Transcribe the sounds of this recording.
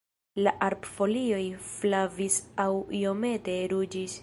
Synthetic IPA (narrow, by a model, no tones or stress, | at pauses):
laʔaɾpfo̞lio̞jflavisawio̞me̞te̞ɾud͡ʒis